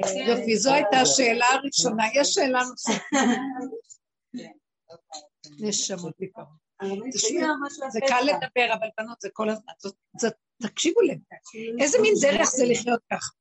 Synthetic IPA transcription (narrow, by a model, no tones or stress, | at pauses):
jofizoajtaʃe̞ːlaːʁiʃo̞najɛʃeːlanosafa | neʃamot̚lipam | t̪aʃzekalːed̪abe̞ʁavalbanot̪zeko̞lazmanzo | zo | t̪akʃivulenʔezemind̪eʁeχzeliχjo̞t̪̚kaχḁ